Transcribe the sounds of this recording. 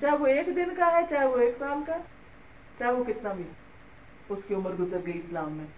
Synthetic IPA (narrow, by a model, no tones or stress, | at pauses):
t͡ʃaːɦɛʋoeːkd̪ɪnkaɦɛt͡ʃaːɦɛʋoeːksaːlkaɦɛ | t͡ʃaːɦeʋokɪt̪nabʱi | ʊskiʊməɾɡʊzəɾɡɐiɪslaːmːẽ